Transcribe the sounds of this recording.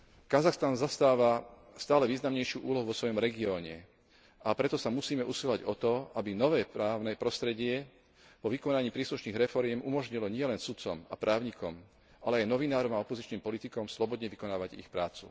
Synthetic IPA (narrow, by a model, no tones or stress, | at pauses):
kazaxst̪anzast̪aːʋa | st̪aːlɛʋiːznamɲɛjʃɪuːʔuːlɔɦuʋɔsʋɔjɔmɾɛɡiɔːɲɛ̰ | ʔapɾɛt̪ɔsamusiːmɛʔusilaɟɔt̪ɔabinɔʋɛːpɾaːʊnɛpɾɔst̪ɾɛɟɪɛ | pɔʋikɔnaɲiːpɾiːsluʃniːɣɾɛfɔɾɪɛmʔumɔʒɲilɔɲɪɛlɛnsut͡sɔmapɾʔaːʊɲikɔm | ʔalɛajnɔʋinaːɾɔmaɔpɔzit͡ʃniːmpɔlit̪ikɔmslɔbɔd̪ɲɛʋikɔnaːʋaɟḭxpɾaːt͡sṵ